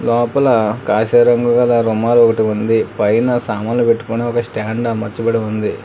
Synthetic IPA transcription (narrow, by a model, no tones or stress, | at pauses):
lɔːpɐlɐkaːʃɐɾɐŋɡuɡɐlɐɾumaːlɔkɐʈiund̪ipɐjnɐsaːmaːllupe̞ʈːu̥kuneɔkɐsʈaːɳɖɐmɐt͡ʃːubɐɽeund̪i